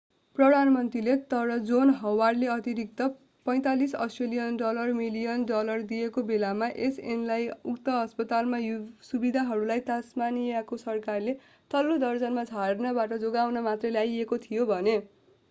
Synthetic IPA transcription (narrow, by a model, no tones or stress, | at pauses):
prʌd̪ʱanmʌnt̪rilet̪ʌɾʌd͡zonɦʌwarɖleʌt̪iɾik̚t̪ʌ | pʌj̃t̪alisʌ̰sʈrelijʌnɖʌlʌrmilijʌnɖʌlʌrd̪ijekobelamaʔesenlajukt̪ʌɦʌspʌt̪almajusubid̪ʱaɦʌɾulajt̪asmanijakosʌrkarle | t̪ʌlːod̪ʌrd͡zʌnmad͡zʰʱarnʌbaʈʌd͡zoɡawnʌmat̪rʌlajekot̪ʰijobʱʌne